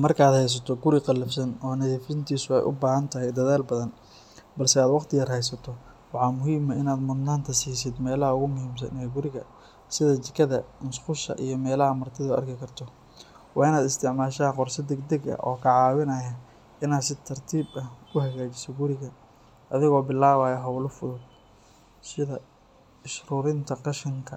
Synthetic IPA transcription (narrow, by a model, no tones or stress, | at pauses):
mɐrkʰaːd̪hɛjs̬ɐt̪ʰɔɡʊɾɪqɑlːɐfsɐnɔːnɐðiːfɪnt̪ʰiːsʊɛ̰jʔʊ̰baːɦɐnt̪ʰɐɦɛjd̪ɐðaːlbɐðɐn | bɐlsɛaːd̪wɑqt̪ʰɪɣɐɾhɛjsɐt̪ʰɔ | wɑħɑːmʊɦiːmɐɪnaːd̪mʊd̪naːnt̪ʰɐsiːs̬ɪd̪mɛːlɐɦɐʊɣʊmʊhiːms̬ɐ̰nɛɡʊɾɪɣɐ | sɪðɐt͡ʃ̪ɪkʰɐðɐnʊsqʊʃɐ̰ʔḭjɞmɛːlɐɦɐmɐrt̪ʰɪðɐʊʔɐ̰rkʰɪkʰɐrt̪ʰɔ | wɑːɪnaːd̪ɪst̪ʰɪʕmaːʃɐɐqɔrsɐd̪ɛɡd̪ɛɡɐ̰ʔɔːkʰɐʕɑːwɪnɐjɐ | ɪnaːd̪sɪt̪ʰɐrt̪ʰiːbɐhkʰʊhɐɣaːt͡ʃɪsɔɡʊɾɪɣɐ | ʔɐðɪɣɔːbɪlːaːβaːjɛɦɐwlʊfʊðʊd̪̚ | sɪðɐ | ɪʃruːɾɪnt̪ʰɐqɑʃɪŋkʰɐ